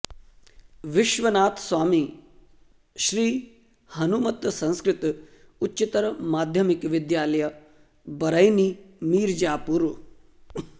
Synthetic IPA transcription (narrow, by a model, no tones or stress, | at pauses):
ʋɪʃʋɐnaːt̪sʋaːmi | ʃɾiː | hɐnumɐt̪sɐ̃nskɾɪt̪ | utːit̪ɐɾɐmaːd̪ʱjɐmikʋɪd̪jaːlɐjɐ | bɐɾɐjnimiːɾd͡ʒaːpuɾ